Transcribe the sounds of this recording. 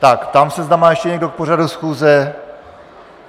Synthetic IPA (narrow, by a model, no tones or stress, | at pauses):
t̪akt̪amsɛzd̪amaːjɛʃcɛɲɛɡdok̚por̝adusxuːzɛ